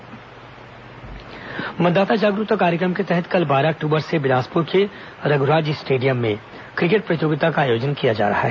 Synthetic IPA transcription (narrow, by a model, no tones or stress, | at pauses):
mɐt̪d̪aːt̪ad͡ʒaːɡɾʊt̪əkaːɾjəkɾəmket̪ɛɦət̪kɐlbaːɾaːk̚ʈuːbəɾsebɪnaːspʊɾke | ɾɐɡʊɾaːd͡ʒisʈeːɖijəmːḛ̃ | kɾɪk̬eʈ̚pɾɐt̪joːɡɪt̪akaːjoːd͡ʒənkijad͡ʒa̰ːɾɐ̰ɦa̰ɦɛː